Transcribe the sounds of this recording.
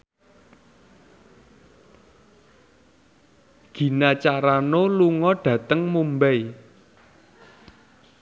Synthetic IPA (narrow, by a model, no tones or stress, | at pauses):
ɡ̥i̤nat͡ʃaɾanoluŋɔɖ̥ä̤t̪əŋmumbɛj